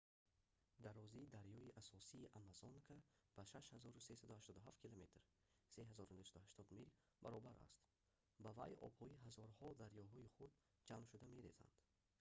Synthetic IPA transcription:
d̪aɾɔziːd̪aɾjɔiʔasɔsiːʔamazonkʰab̥aʃaʃhazɔɾusesad̪uhaʃt̪ɔd̪uɦaft̪̚kʰilomet̪ɾ | seɦazɔɾunusad̪uhaʃt̪ʰɔd̪mil | ba̰ɾɔbaɾa̰st̪ | bava̰jɔ̰bhɔiɦazɔɾhɔd̪aɾjɔɦɔiχud̪̚ | d͡ʒamʃud̪ame̞ɾeza̰nd̪̥

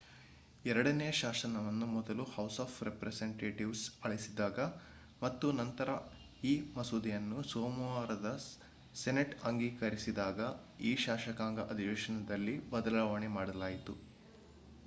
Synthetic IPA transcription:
ɛɾɐɽɐneːʃaːsɐnɐʋɐnːumɔd̪ɐluhɐwsaːpʰɾepɾeseɳʈeːʈiʋsɐɭisid̪aːɡɐ | mɐt̪ːunɐnt̪ɐɾɐ | iːmɐsuːd̪ijɐnːusoːmuʋaːɾɐd̪ɐ | seneʈɐŋɡiːkɐɾisid̪aːɡɐ | iːʃaːʃɐkaːŋɡɐʔɐd̪ʱiʋɛːʃɐnɐd̪ɐlːibɐd̪ɐlaːʋaːɳemaːɽɐlaːjit̪u

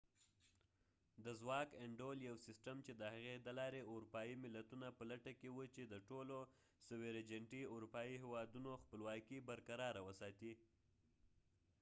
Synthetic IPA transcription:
d̪əzwɑkeɳɖoljawsɪsʈəmt͡ʃed̪əhaɣed̪əlɑɾeʊɾupɑjimɪlat̪unapəlaʈakewut͡ʃed̪əʈolo | səweɾed͡ʒaɳʈiuɾupɑiɦewɑd̪unoxpəlwɑkibaɾkaɾɑɾawəsɑt̪i

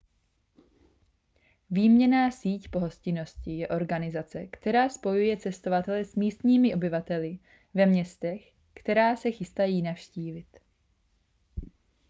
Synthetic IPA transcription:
viːmɲɛnaːsiːcpo̞ɦo̞scɪno̞scɪjɛʔo̞ɾɡanɪzat͡sɛkt̪ɛɾaːspo̞jujɛt͡sɛst̪o̞vat̪ɛlɛsmiːst̪ɲiːmɪʔo̞bɪvat̪ɛlɪ | vɛmɲɛst̪ɛx | kt̪ɛɾaːsɛxɪst̪ajiːnafʃciːvɪt̪

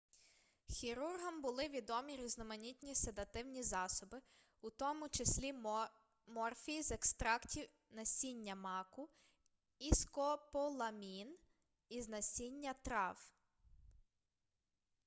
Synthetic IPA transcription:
xʲiɾurɦɐmbʊlˠɪʋʲid̪ɔmʲiɾʲiznɔmɐnʲit̪ʲnʲised̪ɐt̪ɪwnʲizɑsɔbɪ | ut̪ɔmʊt͡ʃesʲlʲi | mɔrfʲiizekst̪ɾɑktʲiw | nɐsʲinʲːɐmɑkʊ | iskɔpɔlˠɐmʲin | iznɐsʲinʲːɐt̪ɾɑw

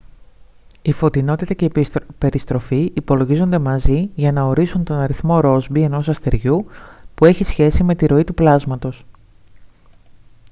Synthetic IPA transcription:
ifo̞t̪ino̞t̪it̪ɐce̞pe̞ɾist̪ɾo̞fiipo̞loʝizo̞nd̪e̞mɐziʝɐnɐo̞ɾisunt̪o̞nɐɾiθmo̞ɾo̞zbie̞no̞sɐst̪e̞ɾʝupue̞çisçe̞sime̞t̪iɾo̞it̪uplɐzmɐt̪o̞s

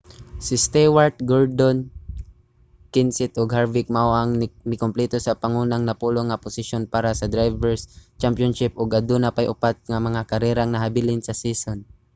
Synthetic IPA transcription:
sɪst̪ɛwaɹt̪̚ɡoɹd̪on | kɪnsɛt̪ʔoɡhaɹvɪk̚mawaŋmɪkomplɛt̪osɐpɐŋuːnaŋnɐpuːloŋːɐpʊsɪʃjonpaːɾɐsɐd̪ɾajvɛɹst͡ʃampjonʃɪp̚ʔoɡʔɐd̪unapajʔʊpat̪̚ŋɐmɐŋakɐɾɛːɾaŋnɐɦabɪlɪnsɐsiːson

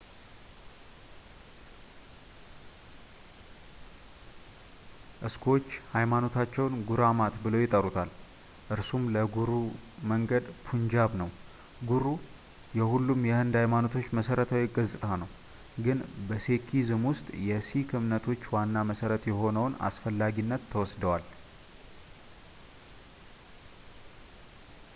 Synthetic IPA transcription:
ʔɨskʰo̞t͡ʃːhajmano̞t̪ʰat͡ʃːɛwnɡuɾamat̪bɨlowjɪt̪ʼːəɾut̪ʰal | ʔɨɾsumləɡuɾuməŋɡəd̪pʰuɲd͡ʒaβnəw | ɡuɾu | jɛhulːumjɛhɨnd̪hajmano̞t̪ʰo̞t͡ʃːməsəɾət̪ʰawjɪɡəzɨt̪ʼʰanəw | ɡɨnbəse̞kʰizɨmwʊst̪ʼjɛsikʰɨmnət̪ʰo̞t͡ʃːwanːaməsəɾət̪jɛɦo̞nəwna̰sfəlːaɡinːət̪ʰːəwɔsd̪əwal

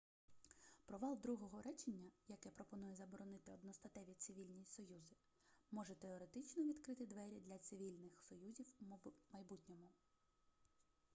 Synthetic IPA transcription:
pɾɔʋɑlˠd̪ɾuɦɔɦɔɾʔɛt͡ʃenʲːɐjɐkɛpɾɔpɔnujɛzɐbɔɾɔnɪt̪ɪɔd̪nɔst̪ɐt̪ɛʋʲit̪sɪʋʲilʲnʲijisɔjuzɪ | mɔʒɛt̪eɔɾet̪ɪt͡ʃnɔʋʲid̪kɾɪt̪ɪd̪ʋɛɾʲid̪lʲɐt̪sɪʋʲilʲnɪxsɔjuzʲiwmɐjbutʲnʲɔmʊ

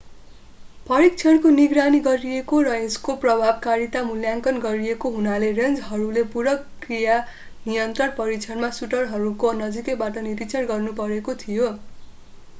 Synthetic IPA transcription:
pʌɾik̚t͡sʰʌɳkoniɡraniɡʌɾiekorʌeskoprʌbʱabkaɾit̪amuljaŋkʌnɡʌɾiekoɦunalerend͡zɦʌɾulepuɾʌk | rija | nijʌnt̪rʌrpʌɾik̚t͡sʰʌnmasuʈʌrɦʌɾukonʌd͡zikebaʈʌniɾikt͡sʰʌɽɡʌrnupʌɾekot̪ʰijo

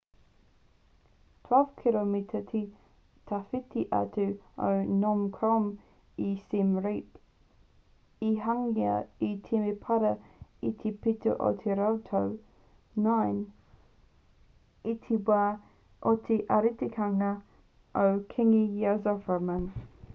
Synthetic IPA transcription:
tʰw̥ɛlv̥kʰilomit̪ʰət̪ʰi | t̪ʰafit̪ʰiʔa̰t̪ʰuo̰wnɔmkʰɾɔm | isimɹip | iɦaŋja̰itʰimepʰaɾəit̪ʰipʰit̪ʰə̰ʔo̰tʰiɾaowtʰow | naɪn | it̪ʰibaː | ʔɔt̪ʰiʔaɾit̪ikʰaŋa | ʔowkʰɪŋijazɔfəmãn

